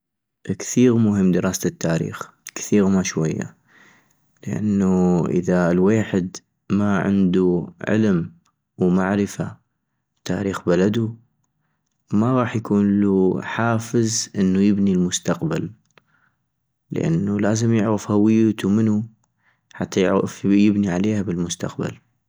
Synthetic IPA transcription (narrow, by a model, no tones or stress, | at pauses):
ʔkθiːɣmʊɦəmːd̪ɨɾˤɑːst̪ːaːɾḭːx | kθiːɣmaʃwajːa̰ | ləʔa̰nːuʔɪ̰ðalweːħɪd̪ | maʕɪ̰nd̪uʕɪ̰lm | wma̰ʕɾɪfa | t̪ːa̰ːɾiːxbalad̪u | maɣˤɑːħjakuːnluħaːfəzʔɪnːujɪbnilmʊst̪aqbal | ə̰ʔa̰nːulaːzəmjɪʕɾɪfhawɪjːt̪umɪnu | ħat̪ːajɪʕfjɪbniʕaleːhabɪlmʊst̪a̰qba̰l